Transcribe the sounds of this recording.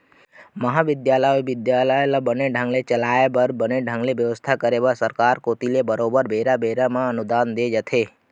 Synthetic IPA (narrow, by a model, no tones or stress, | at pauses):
məɦaʋɪd̪jaləoʋɪd̪jaləelabəneɖʱãŋɡlet͡ʃəlaebəɾbəneɖʱãŋɡleʋjəʋəst̪ʰakəɾeʋasəɾkaɾkot̪ilebəɾobəɾbʱeɾabʱeɾamãənud̪and̪ed͡ʒət̪ʰe